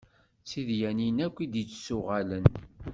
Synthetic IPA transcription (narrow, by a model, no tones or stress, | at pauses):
t͡sːiðjæninækʷːid̪jət͡sːsʊʁalən